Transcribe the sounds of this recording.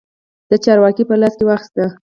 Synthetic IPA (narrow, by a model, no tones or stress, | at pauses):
d̪̥ət͡ʃɑɾwɑkipəlɑskewɑxi̥st̪ə